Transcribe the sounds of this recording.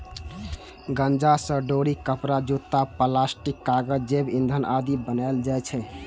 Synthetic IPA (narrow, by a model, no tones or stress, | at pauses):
ɡənd͡ʒasəɖoɾikəpɾad͡ʒut̪ːapəlasʈikːaɡəd͡ʒd͡ʒebind̪ʱənʔad̪ibənaeld͡ʒajt͡ʃʰɛ